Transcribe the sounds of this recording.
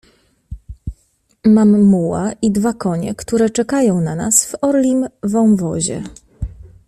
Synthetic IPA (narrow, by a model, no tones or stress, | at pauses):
mamːuwaʔid̪vakɔɲɛkt̪uɾɛt͡ʂɛkajɔ̃w̃nanasvɔɾlʲimvɔ̃w̃vɔ̰ʑɛ̰